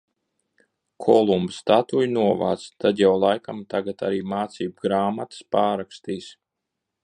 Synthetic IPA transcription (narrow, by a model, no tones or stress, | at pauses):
kʰɔlˠumbst̪at̪ujnuɔva̰ːt̪st̪ad̪jawlˠajkamt̪aɡat̪a̰ɾiːmaːt̪siːbɡɾaːmat̪ə̥spaːɾakst̪iːs